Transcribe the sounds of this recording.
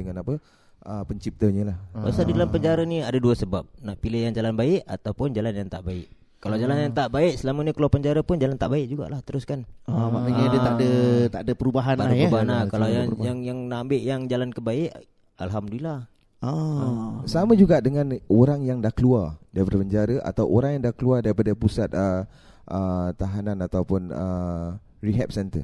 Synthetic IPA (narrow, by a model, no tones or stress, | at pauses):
əŋanapə | əpəɲt͡ʃip̚t̪əɲəlabasadidalampəɲd͡ʒaɾaniadaduəsəbap̚naʔpilɪhjaŋd͡ʒalanbaɪʔa̰t̪awpʊnd͡ʒalanjaŋt̪aʔbaɪ̰ʔ | kːalawd͡ʒalanjaŋt̪aʔbaɪʔsəlamənəkəluapəɲd͡ʒaɾapʊnd͡ʒalant̪aʔbaɪʔ̚d͡ʒuɡa̰ʔlaht̪əɾʊskanmanəɲədət̪adət̪aʔdəpəɾubaɦanadaəɾbaɦanlakalajajaŋjaŋnambɪʔjaŋd͡ʒalankəbaɪʔ | a̰lɦamduilah | a | samãd͡ʒuɡaʔdəŋãnoɾaŋjaŋdahkəluardaibərpəɲd͡ʒaɾaʔa̰t̪awʔoɾaŋjaŋdahkəluardaɾipadəpusat̪̚ə | ʔət̪aɦananat̪awpʊnə | riɦɛp̚sɛnt̪ə̰r